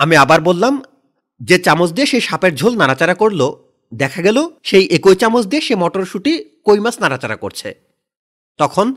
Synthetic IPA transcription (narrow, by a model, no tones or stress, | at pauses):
amiabaɾbolːam | d͡ʑet͡ɕamod͡ʑd̪ieʃeʃapeɾd͡ʑʱolnaɾat͡ɕaɾakoɾlo | d̪ɛkʰaɡɛloʃejʔekojt͡ɕamot͡ɕd̪ieʃemɔʈoɾʃuʈikojmasnaɾat͡ɕaɾa̰ko̰ɾt͡ɕʰḛ | t̪ɔkʰon